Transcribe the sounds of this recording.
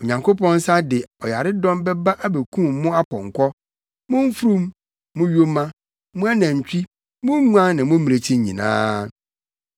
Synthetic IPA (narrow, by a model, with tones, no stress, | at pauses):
o˨ɲã˨ŋko˦pʰɔ̃˦n˦sa˦dɪ˨ɔ˨ja˨ɾɪ˦dɔ̃˦mbɛ˦ba˦ʔa˦be˨kʰũ˦m˦mʊ̃˦a˦kʰɔ̃˨ŋ˨kʰɔ˦ | mʊ̃˦m˦fu˦ɾũ˦mː | ʊ̃˦ɥo˦mã˦ | mʊ̃˦a˦nã˨ɲ̩˨t͡ɕᶣi˦ | mʊ̃˦ŋũ˦ã˦nnã˨mʊ̃˦mĩ˨e˨t͡ɕʰĩ˦˨ɲḭ̃˨nã̰ː˦